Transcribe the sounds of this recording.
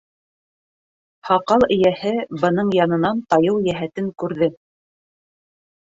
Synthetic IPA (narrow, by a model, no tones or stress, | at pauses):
hɑqɑlˠɘ̆jæhɘbɤ̆nɤɴjɑnɤ̆nɑnt̪ɑjɤwjæɦæt̪ɘŋkʉɾðɘ